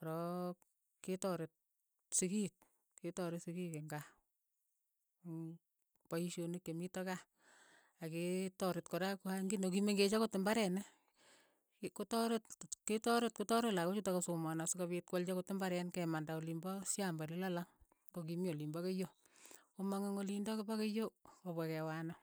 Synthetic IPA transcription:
ɾɔ | ketɔɾɪt̚ | sikik̚ | ketɔɾɪsikikeŋɡa | paiʃonikjemitɔka | aketɔɾɪtkoɾakuhaŋɡinokimeŋɡet͡ʃakotːɪmbaɾɛnɛ | kotɔɾetketɔɾet̚kotɔɾelakot͡ʃutakasomanasukaβit̚kwalt͡ʃakotɪmbaɾɛnkɛmandaolimbɔsjambaɾilalaŋ | kokimolimbɔkejo | omaŋeŋolindɔkebakejoobɛkɛwanɔ

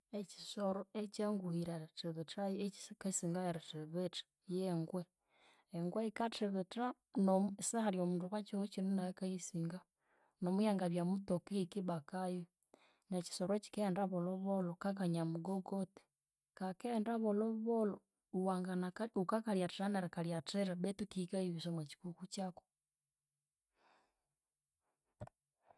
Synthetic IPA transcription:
eci̥soɾoet͡ʃaŋɡuhiɾateβetakaisiːŋɡajeɾeteβetḁ | jeŋɡwe | eŋɡweikateβeta | nosahaɾjomuːnduβat͡ʃihot͡ʃinonaekaisiŋɡa | nomujaŋɡaβjamutokiikiβakajo | net͡ʃi̥soɾwot͡ʃi̥kendaβoloβolokakaɲamuɡoɡoti̥ | kakeːndaβoloβolo | uwaŋɡanaukakaɾjatiɾaneɾakaɾjateɾaβetukikaiβisomwat͡ʃi̥kukut͡ʃako̥

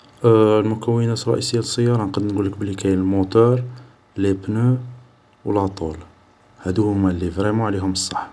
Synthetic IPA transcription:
lmʊkæwːənæt̪rˤːɑ̰ʔisəjːaləsˤːəjːɑɾˤɑnqɑd̪ənɡulːəkbəlːikæjlmot̪ɑɾˤ | libnu | wəlɑt̪ˤul | hæd̪uhʊmælːifɾimuʕliɦʊməsˤːɑħ

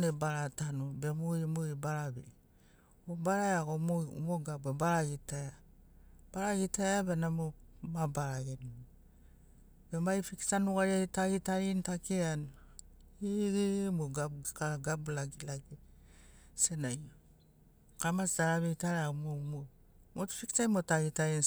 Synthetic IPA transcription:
nebaɾatanobemomoibaɾabḛ | obaɾajaɡomoṵmoɡabebaɾaɡitaa | b̥aɾaɡitajabenamomabaɾaɡen | bemaifiksanuɡaɾiaitaɡitaɾintakean | iɡimoɡakaɡablaɡilaɡi | senaj | kamasdaɾaβeitaɾaaɡomomo | motfiksajmotaɡitaɾin

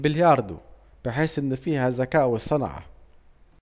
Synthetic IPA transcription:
bɪljɑːɾˤd̪ṵ | b̥ɪħeːsʔɪnːɪfiːhæzækæːʔwɪsˤɑn̰ʕa̰

